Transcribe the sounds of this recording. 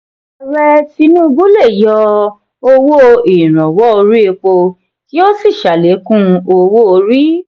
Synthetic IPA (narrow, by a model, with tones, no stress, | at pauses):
ɾɛ˧ti˧nũ˦˧bu˦le˦˨jɔ˧ | o˧wo˦i˨ɾ̃ã˨wɔ˨˦o˧ɾi˦e˧k͡po˧ | ti˦o˦si˦˨ʃa˨le˨˦kũ˦˧o˧wo˦o˧ɾi˦